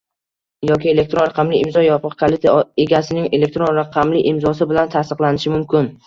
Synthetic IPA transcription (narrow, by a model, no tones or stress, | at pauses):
jɒkʲʰɪe̞le̞k̚ʲt̪ɾonɾaqʰɑmlɪɪmzɒjɒpʰɨqkʰalˠɪt̪ʰeɡʲasɪnɪŋe̞le̞k̚ʲt̪ɾonɾaqʰɑmlɪʔɪmzɒs̬ɪbɪlant̪ʰast̪ɨqlˠanɪʃɪmʊmkʲʰɪn